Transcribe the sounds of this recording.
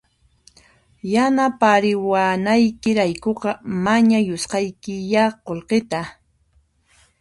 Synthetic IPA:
janapaɾɪwanajkɪɾajkoqɑmaɲajosqɑjkɪjaqolqɪt̪a

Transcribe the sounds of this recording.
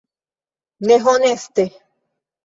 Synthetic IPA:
neɦonest̪e

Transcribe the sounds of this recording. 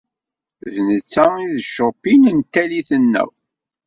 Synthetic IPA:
ðnət͡sːæiðʃopːinənt̪ːæliθənːæ̰w

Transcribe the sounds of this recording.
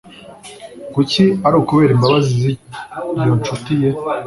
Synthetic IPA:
kuciaɾuhukuβe̞ːɾimbaβazizijont͡ʃutije̞

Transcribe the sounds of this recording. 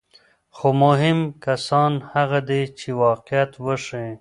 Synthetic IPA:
xomʊɦɪmkasɑːnhaɣad̪et͡ʃewɑːqjat̪wəʂẽ

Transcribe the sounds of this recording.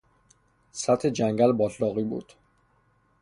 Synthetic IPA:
sæt̪ʰhed͡ʒæŋɟælbɒːt̪ʰlɒːɣiːbṵːd̪̥

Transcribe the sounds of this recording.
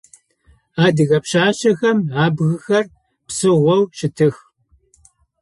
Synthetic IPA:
aːdɨɣɐpɕaːʃɐxɐmaːbɣɨxɐr | psɨʁʷɔwʃɪtʰɨx

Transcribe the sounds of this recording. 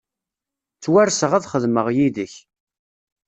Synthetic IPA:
t͡sːwæɾsəʁæðχəðməʁjiðəç

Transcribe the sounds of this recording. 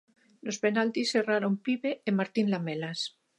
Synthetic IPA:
lospenalt̪isːeraɾompiβeːmaɾt̪inlamelas

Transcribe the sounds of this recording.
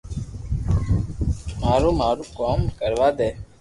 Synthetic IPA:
maːɾuːmaːɾuːkoːmkəɾʋaːd̪eː

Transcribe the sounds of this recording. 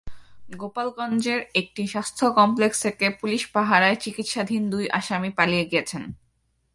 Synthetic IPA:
ɡopalɡɔnd͡ʑeɾek̚ʈiʃast̪ʰokɔmplekst̪ʰekepuliʃpaɦaɾaet͡ɕikit̪ʃad̪ʱind̪ujʔaʃamipalijeɡiet͡ɕʰen

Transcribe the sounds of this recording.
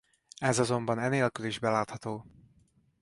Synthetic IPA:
ɛzɒzo̞mbɒnɛneːlkyliʒbɛlaːt̪hɒt̪oː

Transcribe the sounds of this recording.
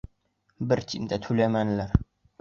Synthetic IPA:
bɪɾt͡ʃʰɪmd̪ʰat̪ʰulamanlaɾ

